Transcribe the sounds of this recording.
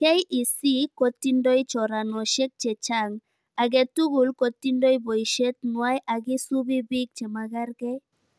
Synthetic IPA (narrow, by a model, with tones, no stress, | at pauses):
kɛ˦jʔi˨si˦ko˨ti˦ndo˦jt͡ʃɔ˨ɾa˨nɔ˨ʃe˦k̚t͡ʃɛ˨t͡ʃa˦ŋ | a˨ɡɛ˨tu˦ɡu˨lko˨t̪i˦ndo˦jbo˨jʃe˦t̪nua˦jʔa˨ɡi˦su˦bi˦bi˦k̚t͡ʃɛ˨ma˨ɡa˦ɾɡɛ˦